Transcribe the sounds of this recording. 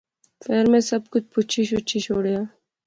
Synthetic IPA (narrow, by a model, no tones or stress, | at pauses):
feːɾmẽsɐb̚kʊt͡ʃʰpʊt͡ʃʰiʃʊt͡ʃʰiʃoːɽjaː